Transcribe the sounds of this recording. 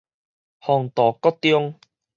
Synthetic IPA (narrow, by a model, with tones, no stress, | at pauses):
hɔː˧ŋt̪ɔː˨˩kɔ˥t̪ːi˦ʊ˥ŋ